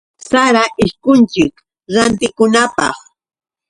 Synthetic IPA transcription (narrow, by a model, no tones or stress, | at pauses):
saɾaʔɪʃkʊnt͡ʃɪk | ɾant̪ɪkʊnapɑ̰χ